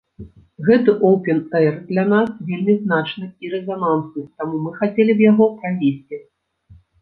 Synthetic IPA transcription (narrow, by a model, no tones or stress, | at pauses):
ɣɛt̪ɨʔowpʲɛnɛrd̪lʲɐnasvʲelʲmʲizn̪at͡ʂnɨiɾɛzanansɨt̪amumɨxat͡sʲelʲibjaɣɔpɾavʲesʲt͡sʲi